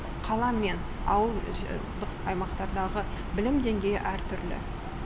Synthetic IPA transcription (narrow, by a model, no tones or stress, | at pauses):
qʰɑlˠɑme̞n | ɑ̰wəlˠʒd̪əqɑjmɑqt̪ɑɾd̪ɑʁəbɪlɪmd̪e̞ŋɡʲejɪ̰ʔæɾt̪ʰʏɾlɪ̰